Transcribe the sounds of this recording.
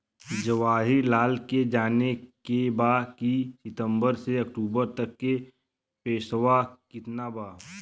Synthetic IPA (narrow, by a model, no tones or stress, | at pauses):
d͡ʒəʋaːɦiɾlaːlked͡ʒaːnekebaːkisɪt̪ə̃mbəɾseɐk̚ʈuːbəɾt̪ɐkːe | peːsəwakɪt̪nabaː